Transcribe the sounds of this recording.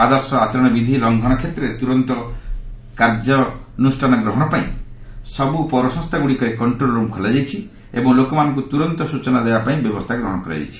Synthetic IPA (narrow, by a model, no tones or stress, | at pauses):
ad̪ɔɾsɔat͡ʃɔɾɔɽ̃ɔbid̪ʱilɔŋɡʱɔɽ̃ɔkʰet̪ɾet̪uɾɔnt̪ɔ | kaɾd͡ʒɔnusʈʰanɔɡɾɔɦɔɽ̃ɔpaḭ̃sɔbupɔɾɔsɔ̃st̪ʰaɡuɽikɔɾekɔɳʈɾolɾumkʰɔlajd͡ʒajt͡ʃʰi | ḛbɔŋlokɔmanɔ̃ŋk̬ut̪uɾɔnt̪ɔsut͡ʃɔnad̪ebapaĩbjɔbɔst̪ʰaɡɾɔɦɔɽ̃ɔkɔɾa̰d͡ʒa̰jt͡ʃʰi̥